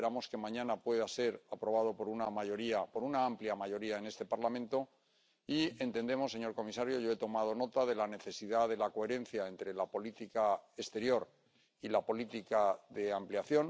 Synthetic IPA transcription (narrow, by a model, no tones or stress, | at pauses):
eɾamo̞ske̞mãɲãnapwe̞ðase̞ɾapɾo̞β̞að̞o̞po̞ɾunamaʝo̞ɾiapo̞ɾunaampljamaʝo̞ɾiae̞ne̞st̪e̞paɾlamẽ̞nt̪o̞ | ie̞nt̪end̪e̞mo̞sːe̞ɲo̞ɾko̞misaɾjo̞ʝo̞e̞t̪o̞mað̞o̞no̞t̪aðe̞lane̞θe̞siðaðe̞lako̞e̞ɾe̞n̟θjae̞nt̪ɾe̞lapo̞lit̪ikae̞st̪e̞ɾjo̞ɾ | ilapo̞lit̪ikaðe̞ampljaθjo̞n